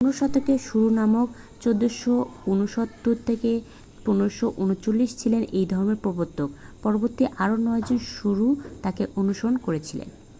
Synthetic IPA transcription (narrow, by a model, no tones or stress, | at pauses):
punoʃɔt̪ʰːokeʃuɾunamok | t͡ɕod̪ːoʃounoʃot̪ːoɾt̪ʰeke | punoɾoʃoʔunot͡ɕolːiʃt͡ɕʰilenejd̪ʱɔɾomeɾpɾobot̪ːokpɔɾoboɾt̪iʔaɾonɔed͡ʑonʃuɾut̪akeʔonuʃoɾonkoɾet͡ɕʰilḛn